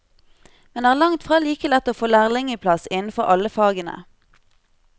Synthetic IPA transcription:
mɛnd̪ɛːæːʁlɑŋt̪fʁɑːliːkəlɛt̪ːoːfoːlæːʁlɪŋəpʰlɑsɪnn̩fɔʁʔɑləfɑːɡənə̰

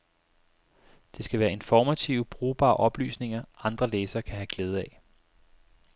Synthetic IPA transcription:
d̥e̝sɡ̥æʋæːɐe̝nfɒːmæt͡sʰiʊb̥ʁuːb̥ɑ̰̈ːʔɒ̽b̥ly̰ːsne̝ŋɐʔɑ̈nd̥ʁɐleːsɐːkʰæɦæɡ̥leːð̞̩ˠæ

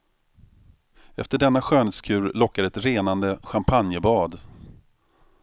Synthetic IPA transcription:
ɛft̪əɖɛnːaɧøːnət̪skʰʉ̟ːɾlɔkːaɾɛt̪ɾeːnand̪əɧampʰanjəbɑːd̪

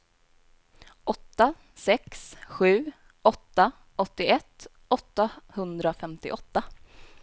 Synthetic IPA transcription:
ʔɔt̪ːa | sɛksɧʉ̟ː | ʔɔt̪ːa | ɔt̪ːɪɛt̪ː | ʔɔt̪ːahɵnd̪ɾafɛmt̪ɪ̰ʔɔt̪ːa

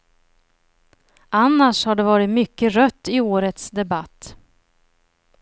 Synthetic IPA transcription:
ʔanːaʂhaɖɛvɑːɾɪt̪mʏkːəɾœt̪ːɪoːɾət̪sd̪ɛbat̪ː

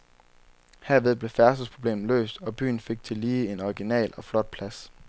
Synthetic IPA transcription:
heɐʋe̝ð̞ˠb̥le̝fæɐsəspʰʁo̝b̥le̝̰ːmn̩lø̰ːsd̥ɒ̽b̥y̰ːn̩fe̝ɡ̥̚t͡sʰe̝liːe̝nɒiɡ̥inɛ̰ːlɒ̽flɒ̽d̥̚pʰlæs

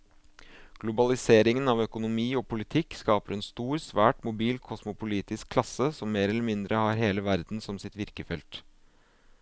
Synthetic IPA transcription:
ɡ̥lʊbɑlɪseːɾɪŋənɑʋœkʊnʊmiːɔpʰʊlɪt̪ʰɪkːskɑːpəɾɛnst̪uːɾsʋæːʈmʊbiːlkʰɔsmʊpʊliːt̪ɪskʰlɑsəsɔmːeːɾɛlːəmɪnd̪ɾəhɑɾɦeːləʋæɾd̪n̩sɔmsɪt̪ʋɪɾkəfɛlt̪

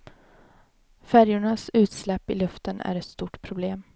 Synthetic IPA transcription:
fæɾjʊɳasʉ̟ːt̪slɛpːɪlɵft̪ənæ̰ɾɛt̪st̪uːʈpʰɾʊbleːm

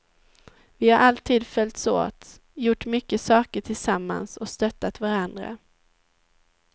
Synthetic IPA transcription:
vɪhaɾʔalt̪ʰiːd̪fœlʲt̪so̰ːt̪ | jʊʈːmʏkːəsɑːkəʈʰɪlsamːa̰nsɔst̪œt̪ːat̪vaɾand̪ɾa̰

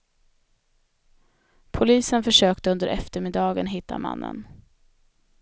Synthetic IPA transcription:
pʰʊliːsənfœʂøːkt̪əɵnd̪əɾʔɛft̪əɾmɪd̪ɑːɡənɦɪt̪ʰːama̰nːə̰n

